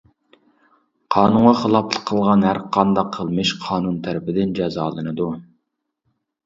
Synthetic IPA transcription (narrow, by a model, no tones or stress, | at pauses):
qʰɑːnuɴʁɑχəlˠɑpʰlˠə̥qʰːəlˠʁɑnhæɾqʰɑnd̪ɑqʰːəlˠmɨʃqʰɑːnunt̪ʰæɾɪpɪd̪ɪnd͡ʒɛzɑːlˠɨnɨd̪u